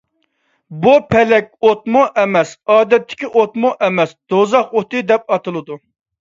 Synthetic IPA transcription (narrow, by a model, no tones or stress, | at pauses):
bupʰɛlɛkʲot̪mʊʔɛmɛsɑːd̪ɛt̪ʰːɪ̥kʲiʔot̪mʊʔɛmɛsd̪̥ozɑqot̪ɨd̪ɛp̚ɑt̪ʰɨlˠɨd̪u